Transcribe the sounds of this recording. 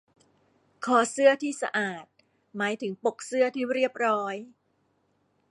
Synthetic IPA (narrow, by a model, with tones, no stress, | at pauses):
kʰɔː˨˩˦sɯ˥˩ɐt̪ʰiː˥˩sa̰˧ʔaː˨˩t̪̚ | maː˩˦jt̪ʰɯ˩˦ŋpo˨˩k̚sɯ˥˩ɐt̪ʰiː˥˩ɾi˥˩əp̚ɾɔː˦˥j